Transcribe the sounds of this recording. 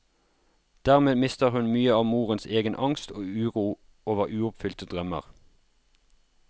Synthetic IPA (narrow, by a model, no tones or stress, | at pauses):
d̪̥æːʁmeːmɪst̪əʁhʉnmyːəɑːʋmuːʁənseːɡənʔɑŋst̪oːʉːʁuː | oːʋəʁʉːʊpfʏlt̪əd̪ʁœmə̰ʁ